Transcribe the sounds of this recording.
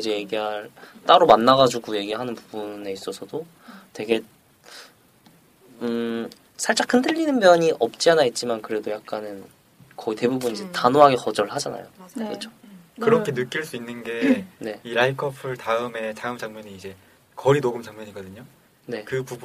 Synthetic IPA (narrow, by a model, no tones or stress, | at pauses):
id͡ʑe̞je̞ɡiɦaɭt͈aɾomanːaɣad͡ʑuɡuje̞ɡiɭɦanɯnpubune̞is͈ʌsʰʌdo | twe̞ɡe̞ | sʰaɭt͡ɕ͈akʰɯndɯʎːinɯnmjʌɲiʔʌp̚t͡ɕ͈ianait̚t͡ɕ͈imankɯɾe̞dojak̚k͈anɯn | kʌite̞bubunid͡ʑe̞tanoɦaɡe̞kʌd͡ʑʌɭɦad͡ʑana̰jo̰kɯt͡ɕʰo̥kɯɾʌkʰe̞nɯk͈iɭs͈uinːɯnɡe̞ne̞iɾaikʰʌpʰɯɭtaɯme̞taɯmt͡ɕaŋɲʌɲiːd͡ʑe̞ | kʌɾinoɡɯmd͡ʑaŋɲʌɲiɡʌdɯɲo | ne̞kɯpub